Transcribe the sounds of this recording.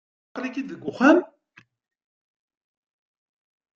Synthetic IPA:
qɾikid̪ðəɡʷːʊχæm

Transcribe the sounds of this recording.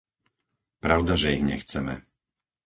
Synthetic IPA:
pɾaʊd̪aʒɛiɣɲɛxt͡sɛmɛ̰

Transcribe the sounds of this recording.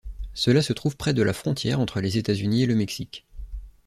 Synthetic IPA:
səlasət̪χuvpχɛd̪əlafχɔ̃t̪jɛʁɑ̃t̪χəlezet̪azynieləmɛksikʲ

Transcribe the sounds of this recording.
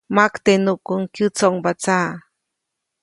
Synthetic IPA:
makt̪enukuŋkjɨt͡soŋbat͡sa

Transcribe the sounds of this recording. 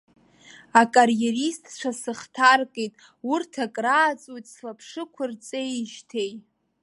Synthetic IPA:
akʼarjeristʼt͡ʃʷʰasɨχtʰarkʼejtʼ | ʊrtʰakʼraːt͡sʼojtʼslapʰʂɨkʷʰʊrt͡sʼejʃtʰe̞j

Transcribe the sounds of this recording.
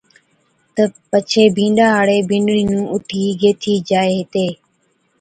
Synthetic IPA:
t̪əpət͡ʃʰeːbʱĩːɳɖaːɦaːɽeːbɪ̃ːɳɖɽiːnũːʔʊʈʰiːɡeːt̪ʰiːd͡ʒaːeːɦɪt̪eː

